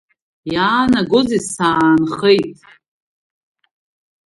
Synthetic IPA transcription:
jaːnaɡozisaːnχejtʼ

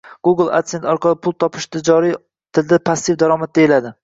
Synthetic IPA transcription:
ɡ̥uɡɪlˠa̰t̪ent̪ɒɾqʰɑlˠɪpʰʊlˠt̪ʰɒpʰɪ̥ʃd̪ad͡ʒɒɾi | t̪ʰɪld̪apʰasːɪvd̪aɾɒmat̪̚d̪aɪlad̪ɪ

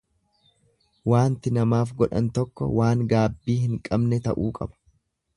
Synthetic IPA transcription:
waːnt̪ɪnɐmaːfɡɔᶑɐ̰nt̪ɔkːɔ̰waːŋɡaːbːiːhɪŋkʼɐbnɛt̪ɐʔuːkʼɐbɐ̥

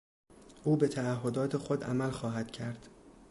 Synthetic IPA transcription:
ʔuːbe̞t̪ʰæːhɦːod̪ɒːt̪ʰe̞xo̞d̪æ̰mælxɒːɦæd̪̥cʰæɾd̪̥

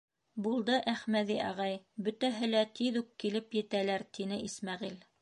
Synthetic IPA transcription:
bulˠd̪ɤʔæχmæðiʔɑʁɑjbɵ̆t̪æɦɘ̆læt̪ʰiðʉkːilɘpjɘ̆t̪ælæɾt̪inɘʔismæʁil

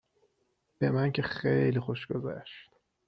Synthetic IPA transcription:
b̥e̞mæncʲʰexejlixoʃɡozæ̰ʃt̪

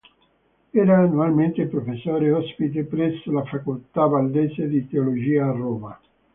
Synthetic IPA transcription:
ɛːɾaːnualment̪epɾofesːoːɾeɔspit̪̬epɾɛsːolafakolt̪abald̪eːsed̪it̪eolod͡ʒiːaːrːoːma

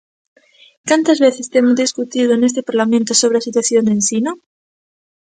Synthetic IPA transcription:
kant̪azβe̞θest̪emozðiskut̪iðoene̞s̬t̪e̞paɾlamẽnt̪oso̞β̞ɾeasit̪waθjo̞nd̪ensino

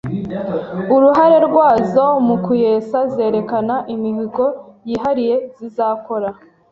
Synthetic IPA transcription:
uɾuɦaɾe̞ɾɡwaːzo̞mukuje̞ːsazeːɾe̞kanaʔimihiɡo̞jiːɦaɾije̞zizaːko̞ɾa

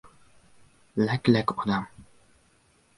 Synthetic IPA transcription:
læklækɔd̪am

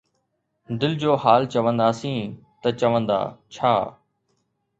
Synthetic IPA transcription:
d̪ɪld͡ʑoːhaːlt͡ɕəʋə̃nd̪aːsĩːt̪ɐt͡ɕɐʋə̃nd̪a̰ːt͡ɕʰaː

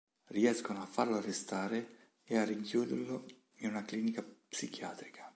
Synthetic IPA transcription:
riɛskonoafːarloarːest̪aːɾe | eariŋkjuːd̪ḛrlo | inunakliːnikapsik̟ʰja̰ːt̪ɾikʰḁ

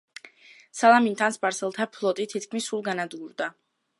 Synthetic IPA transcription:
salˠamint̪ʰanspʼaɾsɛlˠt̪ʰapʰlˠɔt̪ʼit̪ʰit̪kʰmisulˠɡanad̪ɡuɾd̪a

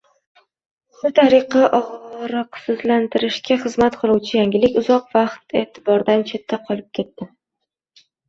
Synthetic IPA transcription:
ʃʊt̪ʰaɾɨqʰɑʔɒʁɾɒqsɪzlant̪ʰɪɾɪʃkʲaχɨzmat̪qʰɨlˠuwt͡ʃʰɪjaŋɡʲɪlɪkʲʊzɒqvɑqt̪e̞t̪ʰɪbɒɾd̪ant͡ʃʰe̞t̪ʰːaqʰɒlˠɪp̚kʲʰe̞t̪ːɪ

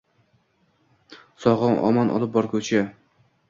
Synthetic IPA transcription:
sɒʁɑnʔɒ̰manʔɒ̰lˠɪp̚bɒɾkʰɵt͡ʃʰa

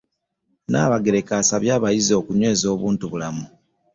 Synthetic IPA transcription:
na̰ːβaɡe̞ɾe̞kaːsaβjaːβajizo̞ːkuɲwe̞ːzo̞ːβuːntuβulamu

